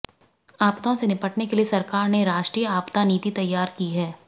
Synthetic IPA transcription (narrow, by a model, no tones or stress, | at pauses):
aːpt̪õsenɪpəʈnekeliesɐɾkaːɾneɾaːʃʈɾiːjəaːpt̪aniːt̪it̪ɐjːaːɾkiɦɛː